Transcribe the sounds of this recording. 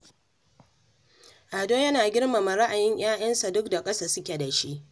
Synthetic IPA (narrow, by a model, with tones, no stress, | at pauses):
ʔa˨doː˦jɐ˦naː˨ɡʲɪ˦rma˨ma˨ɾa˦ʔa˨jɪ˦ɲj̰aː˦j̰ɐ˦nsa˨dʊ˦k̚da˨kʼɐ˦sa˨sʊ˦kʲe˨da˨ʃi˦ʔ